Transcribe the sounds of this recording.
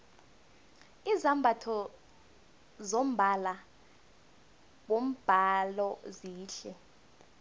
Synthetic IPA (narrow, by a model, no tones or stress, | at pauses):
izambʱatʰɔ | zom̩bʱala | ɓom̩b̥ʱalɔziːɬɛ